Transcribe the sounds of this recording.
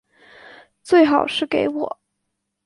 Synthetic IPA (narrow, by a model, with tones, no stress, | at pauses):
t͡swe˥˩ɪxɑ˨˩ʊʂɻ̩˥˩ke˧˥ɪwɔ̰˨˩˦